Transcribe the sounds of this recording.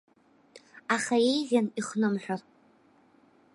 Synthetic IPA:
aχaejʁʲaniχnɨmħʷᶣar

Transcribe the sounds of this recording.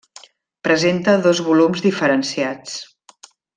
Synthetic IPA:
pɾəzent̪əðozβulumzðifəɾənsiat͡s

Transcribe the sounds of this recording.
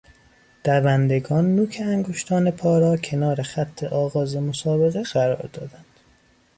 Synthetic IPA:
d̪̥ævænd̪e̞ɡɒːnːuːcʰeæŋɡoʃt̪ʰɒːne̞pʰɒːɾɒːcʰe̞nɒːɾexæt̪ʰːe̞ʔɒːɣɒːze̞mosɒːbe̞ɣeɢæɾɒ̰ːɾd̪ɒːd̪ænd̪̥

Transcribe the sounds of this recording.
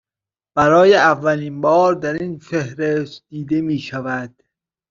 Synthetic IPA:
b̥æɾɒːjeævːælinbɒːɾd̪æɾinfehɾesd̪̥iːd̪e̞miːʃævæd̪̥

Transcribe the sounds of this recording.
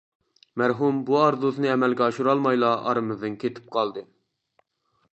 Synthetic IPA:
mæɾɦumbuɑɾd̪uznɨɛmɛlɡʲɛɑʃuɾɑlˠmɑjlˠɑʔɑ̰ɾɨmɨzd̪ɨnkʲʰet̪ʰɪ̥p̚qʰɑlˠd̪ɨ

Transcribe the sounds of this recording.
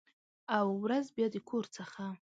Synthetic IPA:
awɾazbjɑd̪əkʰoɾt͡səxa

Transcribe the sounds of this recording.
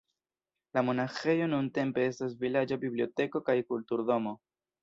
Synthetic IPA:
lamo̞naxe̞jo̞nunte̞mpe̞e̞stas̬vilad͡ʒabiblio̞te̞ko̞kajkultuɾdo̞mo̞

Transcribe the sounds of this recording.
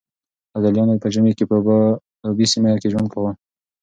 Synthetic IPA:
ad̪aljɑnopəd͡ʒəmekepə | abisimaakeʒwand̪̚kʰawu

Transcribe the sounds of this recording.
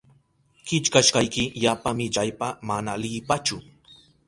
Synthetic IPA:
kɪt͡ʃkaʃkɑjkɪjapamɪʎajpamanalɪpat͡ʃʊ

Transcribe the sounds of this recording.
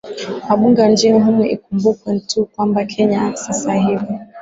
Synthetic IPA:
waɓuŋɡand͡ʒiɦumɛʔḭkumbukwɛntukwambakʰɛɲasasaɦivi

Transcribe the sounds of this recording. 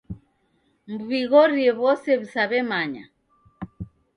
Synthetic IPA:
mbuβiɣɔɾiɛβɔsɛβisaβɛmaɲa̰

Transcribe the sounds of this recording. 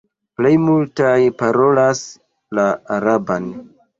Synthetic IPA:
plejmultajpaɾo̞las | laːɾaban

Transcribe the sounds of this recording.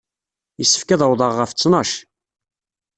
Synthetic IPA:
jəsːə̥fkæðəwðˤəʁːəft͡sːnɑʃ

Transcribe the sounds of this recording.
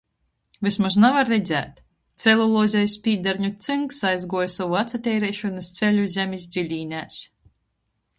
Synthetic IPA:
vɨsmasnavaɾːɛd̪zʲæ̰ːt̪ | t̪sʲɛlˠulˠɔːzʲɛjspʲiːd̪aɾɲut̪sɨŋksajzɡuɔjsɔvuat̪sat̪ʲɛːɾɛːʃɔnɨst̪selʲuzʲɛmʲisd̪zʲilʲiːnʲæːs

